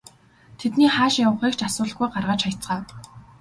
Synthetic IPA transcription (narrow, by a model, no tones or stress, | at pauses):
t̪ʰet̪niːχaːʃjawə̆χiːkt͡ɕasʊːɮə̆χɡujɢarʁaːt͡ɕχajt͡sɢaː